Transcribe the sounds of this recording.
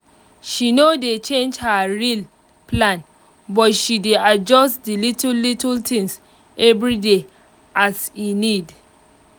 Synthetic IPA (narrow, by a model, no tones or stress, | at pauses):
ʃinodet͡ʃẽnd͡ʒhaɹil | plãn | bɔtʃidead͡ʒɔstdilitlitltʰĩŋs | ɛvɹide | ʔasinid